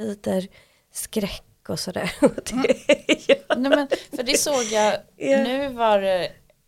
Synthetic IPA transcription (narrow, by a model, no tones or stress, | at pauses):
iːt̪əɾ | skɾɛkːɔsɔd̪æ̰ːɾɔd̪̥ejɑnɛmɛnfəɖɛsoːɡjɑjɑnʉ̟ːvɑɾ